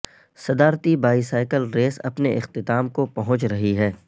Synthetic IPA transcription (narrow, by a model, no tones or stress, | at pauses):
sɐd̪aːɾt̪ibaːisaːɪkəlɾeːsɐ̰pneʔɪxt̪ɪt̪aːmkopɐɦʊ̃t͡ʃɾɐɦiɦɛː